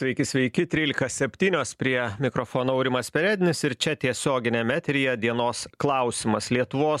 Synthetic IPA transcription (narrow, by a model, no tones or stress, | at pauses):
sʲʋʲɛɪkʲɪsʲʋʲɛɪkʲɪt̪ʲɾʲiːlʲɪkɐsʲɛpʲt̪ʲiːnʲoːspʲɾʲiɛmʲɪkɾofoːnoɐʊɾʲɪmɐspʲɛɾʲæːd̪ʲɪnʲɪsɪɾt͡ʃʲɛt̪ʲiɛsʲoːɡʲɪnʲɛmʲæːt̪ʲɾʲɪjɛd̪ʲiɛnoːsklˠɐˑʊsʲɪmɐslʲiɛt̪ʊʋoːs